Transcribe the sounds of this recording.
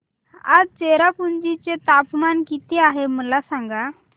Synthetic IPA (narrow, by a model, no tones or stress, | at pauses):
a̰d͡zt͡seɾapund͡ʑit͡set̪apmankit̪eaɦeməlasãŋɡa